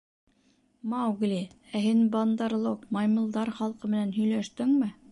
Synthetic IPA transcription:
mɑwɡlʲi | æɦɘnbɑnd̪ɑɾlˠoqmɑjmɤ̆lˠd̪ɑɾχɑlˠqɤmɘ̆nænɦɵ̆jlæʃt̪ɘŋmɘ

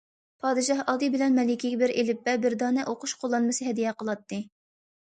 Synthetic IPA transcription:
pʰɑːd̪ɨʃɑhɑd̪ɨbɪlɛnmɛlɪkʲiɡʲɛbɪɾʔelɪpːɛbɪɾd̪ɑːnɛʔoqʊʃqʰolˠːɑnmɨsɨɦɛd̪ijɛqəlˠɑt̪ːɨ

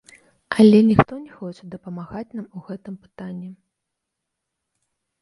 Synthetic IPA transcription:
ɐlʲɛnʲixt̪ɔnʲɛxɔt͡ʂɛd̪ɐpɐmaɣat͡sʲnamuɣɛt̪ɨmpɨ̥t̪anʲːi

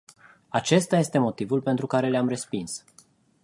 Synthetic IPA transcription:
at͡ʃe̞st̪aje̞st̪e̞mo̞t̪ivulpe̞nt̪ɾukaɾe̞leamre̞spins

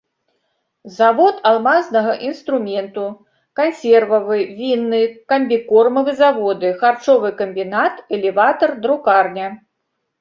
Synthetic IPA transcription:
zavɔt̪alˠmanznɐɣɐʔinst̪ɾumʲɛnt̪u | kanʲsʲɛrvɐvɨvʲinːɨkɐmʲbʲikɔrmɐvɨzavɔd̪ɨxart͡ʂɔvɨkɐmʲbʲinat̪ɛlʲɛvat̪ɐrd̪ɾukarnʲɐ

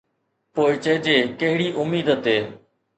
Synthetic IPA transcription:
poːɪt͡ʃəːd͡ʒeːkəɦɪɽiːʔʊmiːd̪ət̪eː

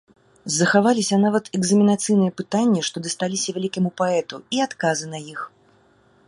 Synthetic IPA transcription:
zːɐxavalʲisʲɐnavɐt̪ɛɡzɐmʲinat̪sɨjnɨjɛpɨt̪anʲːiʂt̪ɔd̪ɐst̪alʲisʲɐvʲalʲikʲɐmupaɛt̪uiat̪kazɨnɐjix

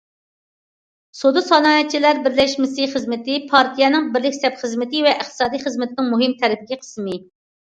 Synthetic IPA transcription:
sod̪usɑlˠɑːnɛt̪̚t͡ʃʰːilæɾbɪɾlɛʃmɪsɪχəzmɪt̪ɪpʰɑɾt̪ʰijɛnɪŋbɪɾlɪkʲsɛpχəzmɪt̪ɪvɛʔəχt̪ʰɨ̥sɑːd̪ijχəzmɪt̪ʰɪnɪŋmuɦɪmt̪ʰɛɾɪpɪɡʲɛqʰə̥smɪ

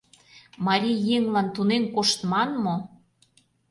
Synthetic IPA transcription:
mɑɾʲijːeŋlɑnt̪unenkoʃt̪mɑnmo

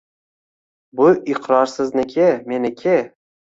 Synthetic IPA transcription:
bʊʔɪqɾɒɾsɪznɪkʲʰemenɪkʲʰɪ

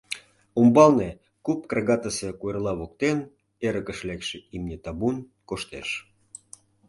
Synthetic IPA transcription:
umbɑlne | kup̚krɑɣɑt̪əsekuerlɑβok̚t̪en | eɾə̆kə̆ʃlekʃĕʔimnʲet̪ɑbunkoʃt̪ḛʃ

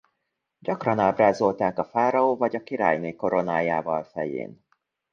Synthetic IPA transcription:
ɟɒkrɒnaːbraːzo̞lt̪aːkɒfaːɾɒoːvɒɟɒkiɾa̰ːjneːko̞ɾo̞naːjaːvɒlfɛjḛːn

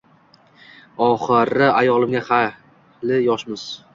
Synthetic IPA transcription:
ɒχɨɾɪajɒlˠɪmɡʲaχa | lɪjɒʃmɪz̥

